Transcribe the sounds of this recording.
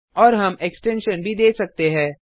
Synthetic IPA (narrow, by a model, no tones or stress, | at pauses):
ɔːɾɦɐmeksʈɛ̃nʃənbʱid̪eːsɐk̚t̪eɦɛ̃ː